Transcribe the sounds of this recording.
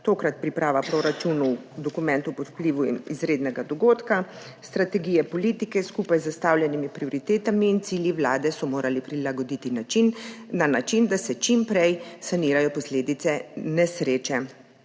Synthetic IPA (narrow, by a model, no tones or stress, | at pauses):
t̪oːkɾat̪̚pɾipɾaːʋapɾoɾat͡ʃunuwd̪ɔkumɛnt̪upɔt̪pliːʋuizɾeːd̪nɛɡad̪ɔɡoːt̪ka | st̪ɾat̪ɛɡiːjɛpɔliːt̪ikɛskuːpajzast̪aːwlʲjɛnimipɾiɔɾit̪eːt̪amiːnt̪siːljiʋlaːd̪ɛsɔmoːɾʔalipɾilaɡɔd̪it̪inainːanat͡ʃind̪asɛt͡ʃimpɾɛjsaniɾajɔpɔsleːd̪it̪sɛnɛsɾeːt͡ʃɛ